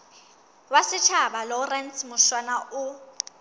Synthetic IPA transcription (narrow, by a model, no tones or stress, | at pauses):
wasɪt͡ʃʰabalɔrɛnsmʊʃwanaʔʊ